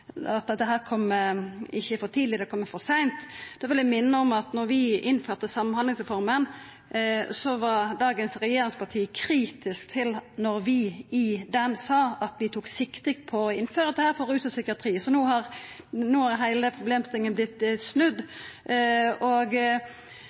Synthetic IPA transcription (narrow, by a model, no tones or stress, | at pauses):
ɑt̪̚d̪ɛt̪ːəɦæːʁkʰɔmːəɪçːəfɔt̪ʰiːd̪lɪd̪ɛkʰɔmːəfɔsæɪnt̪d̪̥ɛʋɪlɪmɪnːəɔmɑt̪nɔɾʋɪɪnføːʁt̪əsɑmɑnhɑnd̪ɪŋsʁɛfɔɾmən | sɔʋɑɾd̪ɑːɡənsɾɛjeːɾɪŋspʰɑʈ̪ʰiːkʰɾiːt̪ɪskt̪ʰɪlnɔɾʋɪɪd̪ɛnsɑːɑt̪ʋɪt̪ʰuːksɪkt̪ɪk̪pʰɔɔɪnːføːɾət̪ɛhæːɾfɔʁʉːt̪ɑsʏkɪɑt̪ʰɾiːsɔnuːhɑɾ | nuːhɑɾɦæɪləpʰɾʊbleːmst̪ɪŋːənblɪt̪ːsnʉd̪ː | oːɡ